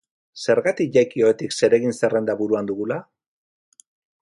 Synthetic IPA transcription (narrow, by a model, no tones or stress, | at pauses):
se̞ɾɣat̪ikʝajkio̞et̪ikse̞ɾe̞ɣinse̞re̞nd̪aβuɾuand̪uɣula